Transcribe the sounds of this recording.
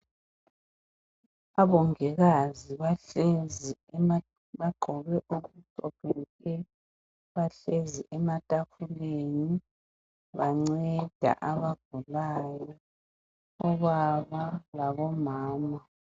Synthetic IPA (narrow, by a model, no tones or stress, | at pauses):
aβɔŋɛɣaziβaɬezi | βaǃʱɔɣɛʔoɣut͡sʼɔpʰɛkʼʰɛ | βaɬeziʔɛmatʼafʰuleni | βaŋ͡ǀɛd̥ʱa̰ʔaβaɡ̥ʱulaːjɔ | ɔβaβalaβɔmaːma